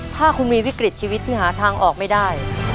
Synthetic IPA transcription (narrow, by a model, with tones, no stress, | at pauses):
t̪ʰaː˥˩kʰu˧nmiː˧wi˦˥kɾi˨˩t̪̚t͡ɕʰiː˧wi˦˥t̪ʰːiː˥˩ɦaː˩˦t̪ʰaː˧ŋʔɔː˨˩k̚ma˥˩jdaː˥˩j